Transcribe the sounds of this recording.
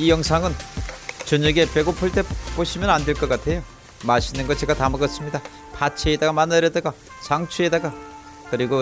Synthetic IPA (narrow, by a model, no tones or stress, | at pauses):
ijʌŋsʰaŋɯnt͡ɕʌɲʌɡe̞p͈e̞ɡopʰuɭt͈e̞p͈oɕʰimjʌnandwe̞ɭk͈ʌk͈atʰe̞jo | maɕʰinɯnɡʌt͡ɕe̞ɡatamɯɡʌs͈ɯmɲida | pat͡ɕʰeːdaɡamanːaɾjedaɡa | saŋt͡ɕʰue̞daɡa | kɯɾiɡo